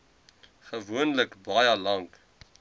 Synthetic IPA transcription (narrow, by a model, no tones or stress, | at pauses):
χəvuənləkbɐjəlɐŋk